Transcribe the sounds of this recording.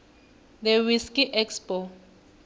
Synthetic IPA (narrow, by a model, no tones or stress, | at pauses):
d̪ɛwiskiʔɛkspo